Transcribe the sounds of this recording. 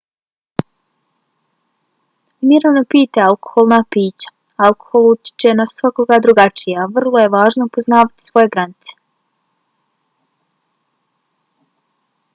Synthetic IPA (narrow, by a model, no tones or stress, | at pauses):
miɾanopiːt̪ealko̥xolˠnapiːt͡ɕḁ | alˠko̥xo̞lˠut̪ʲjɪ̥t͡ʃenasʋako̞ɡad̪ɾuɡat͡ʃijaʋr̩lˠo̞je̞ʋaːʒnopo̞znaːʋat̪i̥sʋo̞je̞ɡɾanit̪se̥